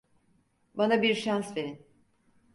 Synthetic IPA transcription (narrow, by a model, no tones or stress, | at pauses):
banabiɾʃansve̞ɾin